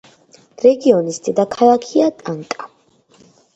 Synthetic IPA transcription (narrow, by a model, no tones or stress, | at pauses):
ɾɛɡiɔnist̪ʼid̪akʰalˠakʰiat̪ʼaŋkʼa